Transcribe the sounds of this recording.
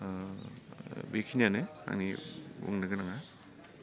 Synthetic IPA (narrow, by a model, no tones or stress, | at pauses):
bekʰinjanea̰ŋnibṵŋnaɡɯnaŋa